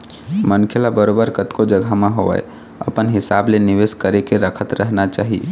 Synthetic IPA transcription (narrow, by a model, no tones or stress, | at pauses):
mənkʰjəlabəɾobəɾkət̪kod͡ʒəɡʱamẽɦoə̰j | ə̰pənɦɪsableniʋeskəɾekeɾəkʰət̪ɾəɦnat͡ʃaːɦḭ